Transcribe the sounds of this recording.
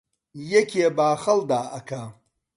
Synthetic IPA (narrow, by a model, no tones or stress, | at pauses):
jɛkʰʲeːbaːχɐld̪aːʔɐkʰa